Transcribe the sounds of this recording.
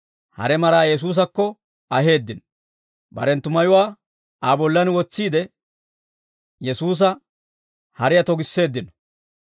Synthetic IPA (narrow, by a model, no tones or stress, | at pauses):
hɐ̰ɾɛmɐɾaːjɛs̬uːs̬ɐkːɔ | ɐɦe̞ːd̪ːɪnɔ | bɐ̰ɾɛnt̪ʊmɐjʊwaː | aːbɔlːɐnwɔt͡sːiːd̪ɛ | jɛsuːs̬ɐ | hɐɾɪjɐt̪ɔɡɪsːe̞ːd̪ːɪnɔ̥